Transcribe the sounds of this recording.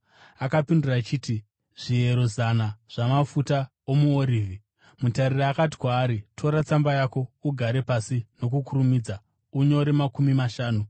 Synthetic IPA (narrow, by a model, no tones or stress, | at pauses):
akapindirat͡ʃiːti | ʐ̥ie̞ɾo̞zanaʐ̥amafuta | omuoɾiːvi | mutareriakati̥kwaːɾitʰo̞ɾat͡sambajako̞uɡʱaɾe̞pasino̞kukurumiːd͡za | uɲo̞ɾemakumimaʃaːnu